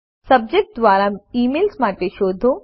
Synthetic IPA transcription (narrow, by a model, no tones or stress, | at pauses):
sɐb̚d͡ʒek̚ʈ̚d̪ʋaːɾaːiːmeːlsmaːʈ̪eʃoːd̪ʱo